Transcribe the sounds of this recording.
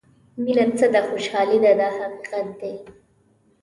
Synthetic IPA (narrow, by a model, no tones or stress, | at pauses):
milat͡səd̪axoʃɑlid̪ad̪ɑhaqiqat̪̚d̪e